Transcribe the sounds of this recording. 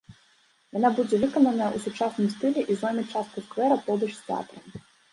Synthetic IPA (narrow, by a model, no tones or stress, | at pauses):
jɔnabud͡zʲɛʋɨkɔnɐnɐusut͡ʂasnɨmst̪ɪlʲɛʔizɔmʲit͡ʂast̪̚kʊskvɛɾɐpɔd̪ɐʂst̪ɛa̰t̪ɾɐm